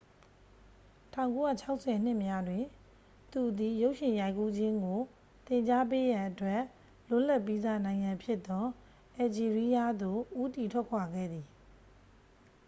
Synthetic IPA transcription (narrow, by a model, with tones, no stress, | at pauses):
tʰã˦˨ʊ̃ŋko˦ja̰˦˨t͡ɕʰa˦ʊʔsʰɛ˨n̥ɪ˦˨mja˦dwɪ̃˨ | t̪u˨d̪i˨jo˦ʊʔʃɪ̃˨ja˦ɪ̃ku˦d͡ʑɪ̃˦ŋɡo˨ | t̪ɪ̃˨ɲt͡ɕa˦p̬e˦jã˨ʔətwɛ˦˨ʔ | lʊ˦˨la˦˨ʔpːi˦zä̰˦˨nã˨ɪ̃ŋã˨mpʰjɪ˦t̪ːɔ˦ | ʔɛ˨d͡ʑi˨ɹi˦ja˦d̪o˦˨ʔu˦t̪i˨tʰwɛ˦ʔkʰwa˨ɡɛ̰˦˨d̪i˨